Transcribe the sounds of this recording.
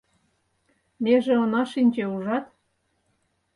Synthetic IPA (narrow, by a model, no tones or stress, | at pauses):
mʲeʒeonɑʃinʲt͡ɕeuʒɑt̪